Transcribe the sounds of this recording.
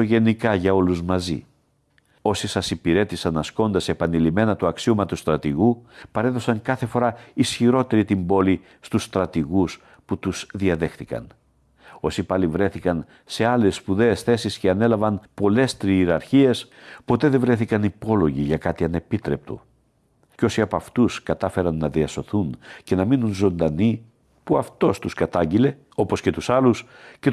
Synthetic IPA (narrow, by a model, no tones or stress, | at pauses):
oʝe̞nikɐʝɐo̞luzmɐzḭ | o̞sisɐsipiɾe̞t̪isɐnɐsko̞nd̪ɐse̞pɐnilime̞nɐt̪uɐksiumɐt̪ust̪ɾɐt̪iɣupɐɾe̞ðo̞sɐŋkɐθe̞fo̞ɾɐisçiɾo̞t̪e̞ɾit̪imbo̞li | st̪usːt̪ɾɐt̪iɣus | put̪uz̥ðiɐðe̞xθikɐ̰n | o̞sipɐlivɾe̞θikɐn | se̞ɐle̞sːpuðe̞ːsθe̞sisceɐne̞lɐvɐnpo̞le̞st̪ɾiːɾɐɾçie̞spo̞t̪e̞ðevɾe̞θikɐnipo̞lo̞ʝiʝɐkɐt̪iɐne̞pit̪ɾe̞p̚t̪o̰ | co̞siɐpɐft̪uskɐt̪ɐfe̞ɾɐnːɐðiɐso̞θunce̞nɐminunzo̞nd̪ɐni | puɐft̪o̞st̪uskɐt̪ɐɲɟile̞ | o̞po̞sce̞t̪usɐlus | ce